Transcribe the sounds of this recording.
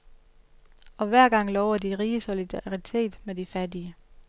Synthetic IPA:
ɒ̽ʋæɐ̰ɡ̥ɑ̈ŋ̰lɒʊɐd̥iʁiːəso̝lid̥ɑʁit͡sʰe̝̰ːd̥med̥ifædiə

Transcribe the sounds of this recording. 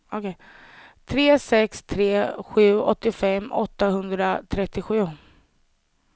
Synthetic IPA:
ɔkʰɛ | t̪ʰɾeːsɛkst̪ʰɾeːɧʉ̟ːɔt̪ːɪfɛmːɔ̰t̪ːahɵnd̪ɾat̪ʰɾɛt̪ːɪɧʉ̟ː

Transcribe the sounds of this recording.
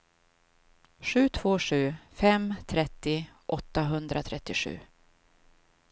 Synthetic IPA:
ɧʉ̟ːt̪ʰv̥oːʂʉ̟ːfɛmt̪ʰɾɛt̪ːɪʔɔt̪ːaɦɵnd̪ɾat̪ʰɾɛt̪ːɪɧʉ̟̰ː

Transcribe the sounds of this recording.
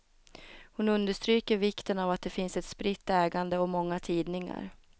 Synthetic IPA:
hʊnɵnd̪əʂt̪ɾyːkəɾvɪkt̪ənavat̪̚d̪ɛfɪnsɛt̪spɾɪt̪ːɛːɡand̪əɔmɔŋːat̪ʰiːd̪nɪŋa̰ɾ

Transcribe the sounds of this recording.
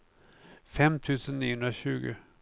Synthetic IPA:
fɛmt̪ʰʉ̟ːsənniːəhɵnɾaɕʉ̟̰ːɡʊ̰

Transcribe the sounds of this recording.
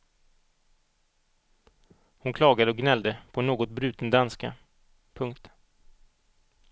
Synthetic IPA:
hʊnkʰlɑːɡad̪əɔɡnɛld̪əpʰɔnoːɡɔt̪̚bɾʉ̟ːt̪ənd̪anska̰ | pʰɵŋkt̪

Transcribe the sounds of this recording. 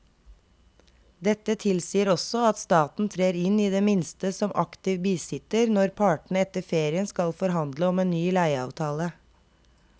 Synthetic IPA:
d̪ɛt̪ət̪ʰɪlsiːəɾɔsɔɑt̪st̪ɑːt̪n̩t̪ʰɾeːɾɪniːd̪eːmɪnst̪əsɔmʔɑkt̪ɪʋbiːsɪt̪əɾnɔɾpʰɑːʈɳ̩əɛt̪əfeːɾɪənskɑlfɔɾɦɑnd̪ləɔmeːnnyːlæɪɑ̰ːʋt̪ʰɑːlə

